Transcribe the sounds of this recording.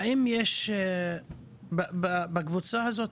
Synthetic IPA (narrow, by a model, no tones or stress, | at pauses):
imjeʃ | bbabakvut͡sahazo̞t